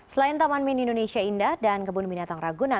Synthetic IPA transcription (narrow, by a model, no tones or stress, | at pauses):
səlaint̪amanminindonesiaindahdankəbunbinat̪aŋraɡuna